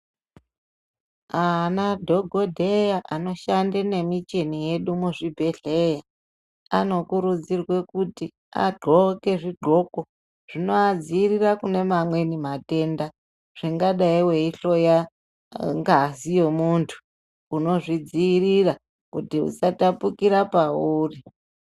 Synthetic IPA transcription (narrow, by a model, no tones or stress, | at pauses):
anadʱo̞ɡʱodʱejaʔano̞ʃandene̞mit͡ʃenije̞ɗumuʐibʱe̞ɬeja | a̰no̞kuɾud͡zirwe̞kuti | a̰ɡ͡ǃʱoke̞ʐiɡ͡ǃʱo̞ko | ʐ̥inoad͡ziirirakune̞mamwe̞nimate̞nda | ʐ̥iŋɡaɗaiweiɬo̞ja | ŋɡazijo̞muntʰu̥ː | no̞ʐid͡ziːrira | kutiṵsatapukiɾapauːri